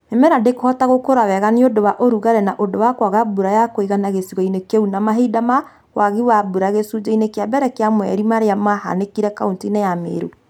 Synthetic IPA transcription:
emɛɾadekohɔtaɣokoɾawɛɣaniodowaʔoɾuɣaɾɛnaʔodowakwaɣabuɾajakoiɣanaɣesiɣɔinekeunamaɦidama | waɣiwabuɾaɣesud͡ʒainekjabɛɾɛkeamwɛ̰ɾimaɾeamaha̰nekiɾɛkauntinejamḛːɾo̰

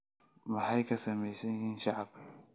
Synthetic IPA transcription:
mɐħajkʰɐsɐmɛjsɛnhɪnʃaʕb

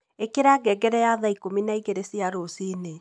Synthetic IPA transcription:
ekeɾaɡɛɡɛɾɛjaðaikominaiɣeɾesiaɾosine

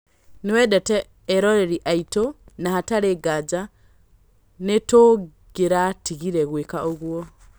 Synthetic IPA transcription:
niwɛdɛtɛː | ɾoɾeɾiʔaitonahataɾeɡad͡ʒa | netoɡ̥eɾatiɣiɾɛɣwekaʔoɣwo

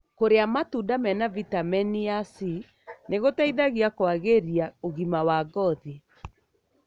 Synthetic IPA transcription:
koɾeamatudamɛnavitamɛniasi | neɣotaiðaɣiakwaɣeɾiaoɣimawaɡɔði

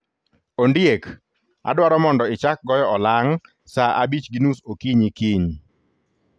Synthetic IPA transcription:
ondjek | a̰dwaɾɔmɔndɔɪt͡ʃak̚ɡɔjɔɔlaŋ | saʔabit͡ʃɡinusokiɲikiɲ

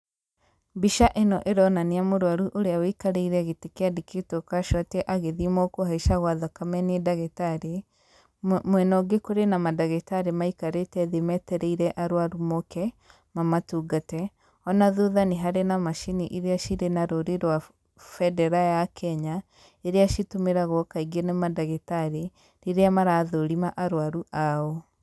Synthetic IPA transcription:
biʃaʔenɔʔeɾɔnaneamoɾwaɾuʔoɾeawikaɾeiɾɛɣetekeadeketokaʃatɛʔaɣeðimokoɦaiʃaɣwaðakamɛnedaɣɛtaɾe | mwɛnɔɡekoɾenamadaɣɛtaɾemaikaɾetɛðemɛtɛɾɛiɾɛʔaɾwaɾumokɛ | mamatuɡatɛ | ɔnaðuðaneɦaɾenamaʃiniʔiɾeaʃiɾenaɾoɾeɾwa | fɛdɛɾajakʰɛɲa | eɾeaʃitomeɾaɣɔkaiɡenɛmadaɣetaɾe | ɾeɾeamaɾaðoɾimaʔaɾwaɾuʔao

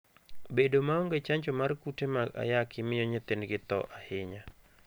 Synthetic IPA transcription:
bedomaoŋɡet͡ʃaɲt͡ʃomarkutemaɡa̰jakʰɪmɪjoɲɛt̪enɡɪt̪ɔ̰ʔahɪɲa

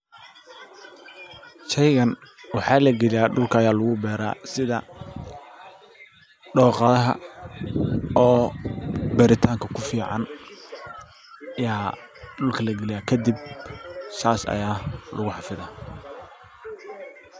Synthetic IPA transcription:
ʃɛjɣɐnwɑħɑːlɐɡɛlɪjaːɖʊlkʰɐɐjaːlʊɣʊbɛːɾa̰ːsɪðɐ | ɖɔːqɐðɐɦɐ̰ | ɔː | bɛːɾɪt̪ʰaːŋkʰɐkʰʊfiːʕɑ̰n | ɐjaː | ɖʊlkʰɐlɐɡɛlɪjaːkʰɐd̪ɪb̚ | saːsɐ̰jaːlʊɣʊħɑfɪðaː

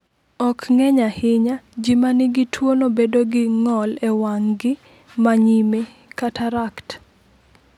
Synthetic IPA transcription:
ɔkŋɛɲahɪɲad͡ʒimanɪɡɪtwonobedoɡɪŋɔlɛwaŋɡɪ | maɲime | kataɾakt

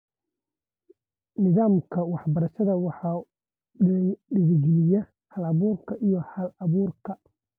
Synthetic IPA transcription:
nɪðaːmkʰɐwɑħbɐɾɐʃɐðɐwɑħɑː | ɖɪðɪɡɪlɪjɐ | hɐlɐβuːrkʰɐʔijɔhɐlɐβuːrkʰɐ

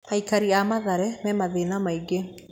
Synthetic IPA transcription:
haikaɾiamaðaɾɛmɛmaðenamaiɡe

